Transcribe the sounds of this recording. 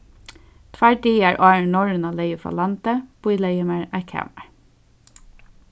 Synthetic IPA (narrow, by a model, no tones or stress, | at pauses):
t̪ʰʋæɹɖiːæːɹʔɑːɹnɔɹənɑːleɪəfɑ̰ːlɑnt̪əb̥ʊɪleɪəmæɹæːkʰæ̰ːmæɹ